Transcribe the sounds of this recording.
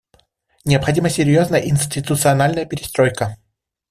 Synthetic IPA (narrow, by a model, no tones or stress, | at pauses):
nʲɪəpxɐdʲiməsʲɪɾʲjo̞znəjəʔɪnʲsʲtʲɪt̪ʊt̪sɨɐnalʲnəjəpʲɪɾʲɪst̪ɾo̞jkə